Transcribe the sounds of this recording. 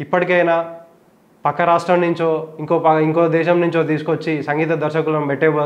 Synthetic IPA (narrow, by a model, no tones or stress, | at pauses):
ipːɐʈikɐjnaː | pɐkːɐɾaːʂʈɾɐmnuɲt͡ʃoːiŋkoːpɐiŋkoːd̪ɛːʃɐmnuɲt͡ʃo̞ːt̪̬iːsu̥kot͡ʃːisɐŋɡiːt̪ɐd̪ɐɾʃɐkulɐmbɛʈːɛːʋɐ